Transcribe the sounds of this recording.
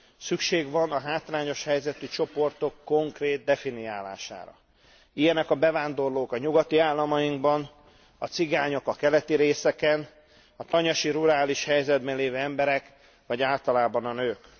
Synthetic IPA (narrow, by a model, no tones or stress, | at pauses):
sykʃeːɡʋɒnɒɦaːt̪raːɲo̞ʃhɛjzɛt̪it͡ʃo̞po̞rt̪o̞kːo̞ŋkreːt̪̚d̪ɛfiniaːla̰ːʃa̰ːɾɒ̰ | ijɛnɛkɒbɛvaːnd̪o̞rloːkɒɲuɡɒt̪iaːlːɒmɒjiŋɡbɒn | ɒt̪siɡaːɲo̞kɒkɛlɛt̪iɾeːsɛkɛn | ɒt̪ɒɲɒʃiɾuɾaːliʃhɛjzɛd̪bɛnleːvøːɛmbɛɾɛk | ʋɒɟaːlt̪ɒlaːbɒnɒnøːk